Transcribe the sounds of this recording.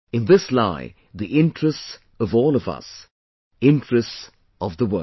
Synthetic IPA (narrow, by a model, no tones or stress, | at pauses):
ɨ̃nðɪslaɪ | ðiʔɪ̃ntɹ̥ɨsts | ʌvɔːlˠʌvʌ̰s | ɪ̃ntɹ̥ɨsts | ʌvðəwɜ̰